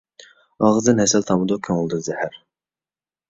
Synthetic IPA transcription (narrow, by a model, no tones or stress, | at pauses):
ɑʁɨzd̪ɨnhɛsɛlt̪ʰɑmɨd̪okʲʰøŋɪlˠd̪ɨzɛhæɾ